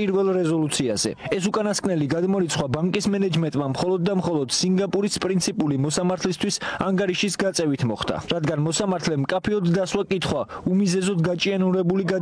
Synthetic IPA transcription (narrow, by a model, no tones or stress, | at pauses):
pʼiɾvɛlˠɾɛzɔlut̪sʰiaz̥ɛ̰ɛsukʼanaskʼnɛliɡad̪mɔɾit̪sʰχwabaŋkʼismɛnɛd͡ʒmɛnt̪ʼmamχɔlˠɔd̪ːamχɔlˠɔd̪̥siŋɡapʼuɾispʼɾint̪sʰipʼulimɔsamaɾt̪ʰlist̪ʰwisaŋɡaɾiʃisɡat̪sʼɛvit̪ʰmɔχd̪a̰ɾad̪ɡanmɔsamaɾt̪ʰlɛmkʼapʰiɔd̪ːaswakʼit̪ʰχwaumizɛzɔd̪ɡat͡ʃʼianuɾɛbuliɡa